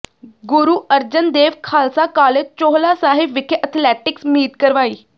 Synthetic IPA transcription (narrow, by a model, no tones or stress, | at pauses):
ɡʊɾuːəɾd͡ʒənd̪eːʋkʰaːlsaːkaːlet͡ʃoːɦlaːsaːɦɪbʋɪkʰʔət̪ʰlɛːʈɪksmiːt̪kəɾʋaːiː